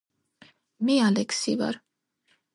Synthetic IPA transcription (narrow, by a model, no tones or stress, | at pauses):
mialɛksiva̰ɾ